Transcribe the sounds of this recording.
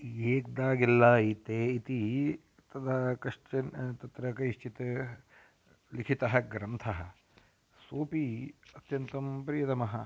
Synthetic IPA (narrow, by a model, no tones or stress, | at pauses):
eːk̚d̪aːɡilːɐit̪eːit̪i | t̪ɐd̪ɐkɐʂt͡ʃɐnt̪ɐt̪ɾɐkɐiʃt͡ʃit̪ɐ | likʰit̪ɐɦɐɡɾɐnt̪ʰɐɦɐ̆ | soːpiɐt̪jɐnt̪ɐmpɾijɐt̪ɐmɐɦɐ